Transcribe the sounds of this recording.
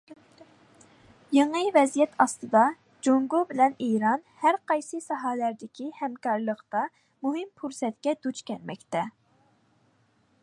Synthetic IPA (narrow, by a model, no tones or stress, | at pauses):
jeŋɨvɛzijɛt̪ʰɑst̪ɨd̪ɑ | d͡ʒoŋɡubɪlɛniɾɑnhæɾqʰɑjsɨsɑɦɑːlæɾd̪ɪkʲʰihɛmkɑɾlˠəqt̪ɑ | muɦɪmpʰuɾsɛt̪kʲɛd̪ut͡ʃkʲʰɛlmɛ̰kʲt̪ɛ